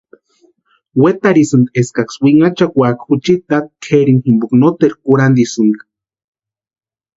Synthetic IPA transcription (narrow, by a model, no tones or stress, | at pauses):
wet̪aɾisɨnd̪eskakswiŋat͡ʃakʷakxut͡ʃit̪at̪̚kʰeɾinximbuknot̪eɾkuɾand̪isɨnd̪